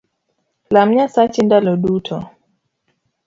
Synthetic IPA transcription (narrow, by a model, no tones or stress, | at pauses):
lam̩ɲasat͡ʃindalɔɗutʰɔ